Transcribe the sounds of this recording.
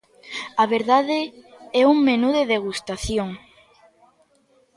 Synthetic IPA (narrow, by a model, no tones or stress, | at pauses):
aβeɾðaðeɛuŋmenuðeðeɣust̪aθjoŋ